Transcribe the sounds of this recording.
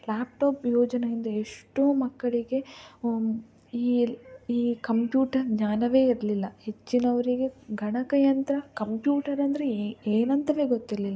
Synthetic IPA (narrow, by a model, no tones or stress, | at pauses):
laːp̚ʈoːpjoːd͡ʒɐnɐind̪ɐeʂʈoːmɐkːɐɭiɡe̞ | iːiːkɐmpjuːʈɐɾɡɲaːnɐʋe̞ːiɾɐlilːɐhe̞t͡ʃːinɐʋɐɾiɡe̞ɡʱɐɳɐkɐjɐnt̪ɐɾɐkɐmpjuːʈɐɾɐnd̪ɐɾeeːnɐnt̪ɐʋe̞ːɡot̪ːiɾɐlilːɐ